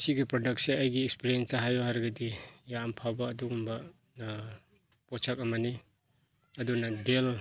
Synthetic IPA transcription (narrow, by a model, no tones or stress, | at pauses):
siɡipɾɔdʌk̚seajɡiːkspiɾijensaɦajoɦaɾɡadijaːmpʰawbaːdukumba | na | pɔt͡ʃʰakamani | ɐdunadel